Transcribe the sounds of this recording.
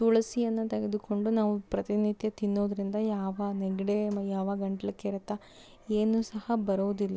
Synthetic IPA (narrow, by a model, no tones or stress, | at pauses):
suɭɐsijɐnːɐt̪ɐɡed̪uko̞ɳɖunaːʋupɾɐt̪init̪jɐt̪inːoːd̪ɐɾind̪ɐjaːʋɐnɛɡɐɽemjaːʋɐɡɐɳʈɐɭɐkːeɾɐt̪ːɐ | eːnusɐhɐbɐɾuʋd̪ilːɐ